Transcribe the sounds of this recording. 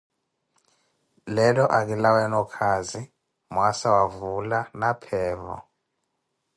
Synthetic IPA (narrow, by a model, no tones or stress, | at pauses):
lɛlɔʔak̬ilawɛnɔkʰazi | mwasawavulanapʰɛːvɔ̰